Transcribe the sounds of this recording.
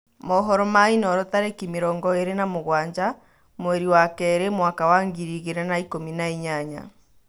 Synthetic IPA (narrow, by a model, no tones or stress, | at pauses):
mɔɦɔɾɔmainɔɾɔtaɾekimeɾɔːŋɡɔeɾenamoɣwaɲd͡ʒa | mwɛɾiwakɛːɾemwakawaŋɡiɾiɣeɾɛnaikominaiɲaɲa̰